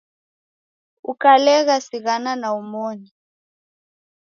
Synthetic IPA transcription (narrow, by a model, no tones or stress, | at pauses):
ukalɛɣasiɣananaumoːni